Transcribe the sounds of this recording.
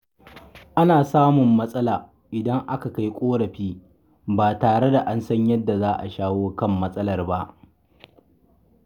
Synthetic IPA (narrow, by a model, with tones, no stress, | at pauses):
ʔa˦naː˨saː˦mʊ˨mːɐ˦sʼɐ˦laː˨ | ʔɪ˨dɐ˦ŋʔa˦ka˨ka˦jkʷʼoː˦ɽɐ˨ɸiː˦ | baː˨taː˨ɽe˦da˨ʔa˦nsɐ˦ɲjɐ˦dːa˨zaː˦ʔa̰˨ʃaː˦woː˦kɐ˦mːɐ˦sʼɐ˦lɐ˦˨rba˦ʔ